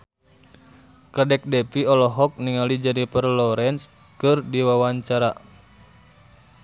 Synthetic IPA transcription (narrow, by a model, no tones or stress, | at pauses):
kadɛk̚dɛpiɔlɔɦɔk̚niŋalid͡ʒadipərlɔɾɛns | kɨrdiwawaɲt͡ʃaɾa